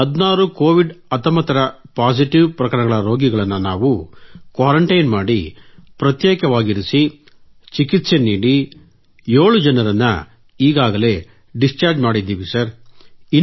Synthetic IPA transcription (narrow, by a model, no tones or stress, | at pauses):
ɦɐd̪naːɾuko̞ːʋiɖɐt̪ɐmɐt̪ɐɾɐpaːsiʈiʋpɾɐkɐɾɐɳɐɡɐɭɐɾo̞ːɡiɡɐɭɐnːɐnaːʋukʋaːɾɐɳʈɐjnmaːɽipɾɐt̪jeːkɐʋaːɡiɾisi | t͡ʃikit̪se̞niːɽi | joːɭud͡ʒɐnɐɾɐnːɐ | iːɡaːɡɐle̞ː | ɖist͡ʃaːɾd͡ʒmaːɽid̪ːiːʋisɐɾi